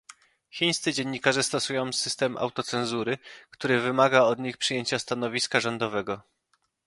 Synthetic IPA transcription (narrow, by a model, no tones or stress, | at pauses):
xʲiɲ̃st̪sɘd͡ʑeɲːikaʐɛst̪ɔsujɔ̃w̃sɘst̪ɛmʔa̰wt̪ɔt̪sɛnzuɾɘkt̪uɾɘvɘmaɡaɔd̪ɲixpʂɘjeɲt͡ɕast̪anɔvʲiskaʐɔnd̪ɔvɛɡɔ